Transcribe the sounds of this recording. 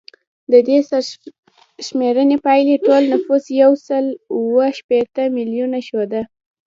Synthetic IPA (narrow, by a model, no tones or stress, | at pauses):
d̪əd̪esa | ʃmeɾənepajleʈolnafusjawsəluwəʃpet̪əmiljunaʃod̪a